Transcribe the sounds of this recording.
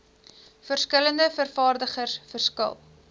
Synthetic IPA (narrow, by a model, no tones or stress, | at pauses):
fərskələndəfərfɑːrdəχərsfərskə̰lˠ